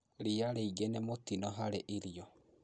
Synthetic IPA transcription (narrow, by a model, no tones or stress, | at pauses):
ɾiaɾeiɡenemotinɔɦaɾeʔiɾiɔ